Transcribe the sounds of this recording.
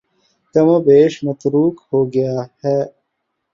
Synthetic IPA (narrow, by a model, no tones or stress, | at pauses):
kɐmõːbeːʃmɐt̪ɾuːkhoːɡɪjaːhɛː